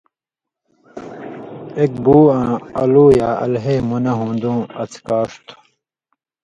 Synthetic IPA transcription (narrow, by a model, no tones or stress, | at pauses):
ek̚buːãːɐluːjaːɐ̰lɦemunɐɦũːnd̪ũːɐt͡skaːʂt̪